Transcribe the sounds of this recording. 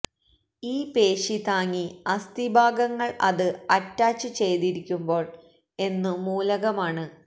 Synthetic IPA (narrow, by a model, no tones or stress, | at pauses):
iːpe̞ːʂit̪aːŋːiɐst̪ibʱaːɡɐŋːɐɭʔɐðɨɐtːaːt͡ɕːɨt͡ɕe̞jt̪iɾikʲːumbo̞ːɭ | e̞nːɨmuːlɐɣɐmaːɳɨ